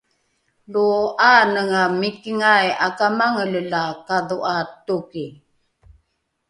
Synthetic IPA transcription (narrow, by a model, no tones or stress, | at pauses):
luaːnəŋamikiŋajakamaŋəllakaðuʔaːt̪ːuki